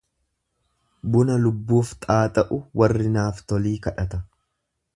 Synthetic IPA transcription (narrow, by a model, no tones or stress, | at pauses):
bʊnɐlʊbːuːft̪ʼaːt̪ʼɐʔʊwɐrːɪnaːft̪ɔliːkɐᶑɐt̪ɐ